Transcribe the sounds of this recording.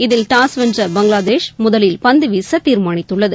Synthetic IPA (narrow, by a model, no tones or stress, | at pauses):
ɪðɪlʈaːsʋɛnd͡ʒrɐbɐŋɡɭaːd̪eːʂmʊðɐlɪlpɐnd̪ɯʋiːsɐt̪iːɾmaːɳɪt̪ːɯɭːɐðɯ